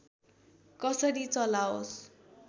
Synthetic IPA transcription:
kʌsʌɾit͡sʌlaos

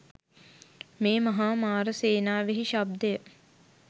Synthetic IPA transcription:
meːmɐɦaːmaːɾəseːnaːʋeɦiʃab̚d̪əjə

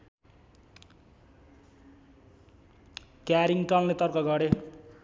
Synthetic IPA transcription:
kjaɾiŋʈʌŋlet̪ʌrkʌɡʌɾe

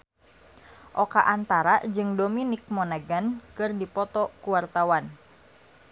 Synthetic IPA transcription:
ʔɔkaʔant̪aɾad͡ʒɨŋdominik̚mɔnaɡənkɨrdipɔt̪ɔkuwart̪awan

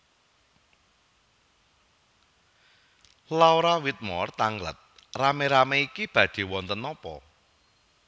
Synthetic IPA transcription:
laoɾawit̪̚mɔrt̪aŋlə̰t̪̚rameɾameikib̥ä̤dɖ̥i̤wɔnt̪ənɔpɔ̰

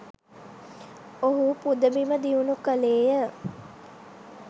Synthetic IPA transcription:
oɦupud̪əbiməd̪iunukəleːjə

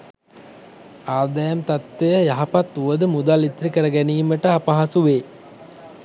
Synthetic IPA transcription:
aːd̪ajamt̪at̪ʋejəjaɦapat̪ːuʋəd̪əmud̪alit̪ɾikəɾəɡæniːməʈəapaɦasuʋeː

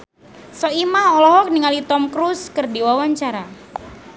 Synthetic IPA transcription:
sɔimahɔlɔɦɔk̚niŋalit̪ɔmkɾuskərdiwawaɲt͡ʃaɾa

